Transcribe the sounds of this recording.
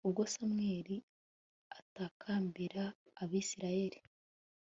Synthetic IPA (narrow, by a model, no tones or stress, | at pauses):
uβɡosamŋeːɾi | atakʰaːmbiɾaː | βiːsiɾaje̞ɾi